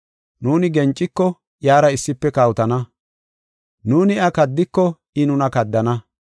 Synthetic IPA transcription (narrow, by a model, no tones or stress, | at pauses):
nuːnɪɡɛnt͡ʃʼːɪkːɔ | jaːɾɐɪsːɪpːɛkaːwʊt̪ɐnɐ | nuːnɪɐkɐd̪ːɪkːɔ | ɪnʊnɐkɐd̪ːɐnɐ